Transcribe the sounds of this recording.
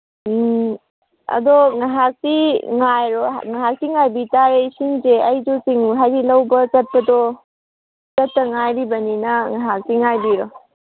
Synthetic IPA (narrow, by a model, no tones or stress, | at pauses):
ɐ̰d̪ɔŋaɦak̚tiŋajɾoŋaɦak̚tiŋajbitaɾejsinzeɐjd͡ʒusiŋuɦajzilɐwbɐt͡ʃɐt̪ːɐdɔ | t͡ʃɐtːɐŋajɾibɐninɐŋaɦak̚tiŋajbiɾo